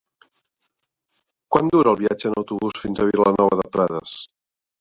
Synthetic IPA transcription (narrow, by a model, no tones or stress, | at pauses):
kwand̪uɾəːlˠβiad͡ʒəːnəwt̪uβusfinzəβilənɔβəðəpɾaðə̰s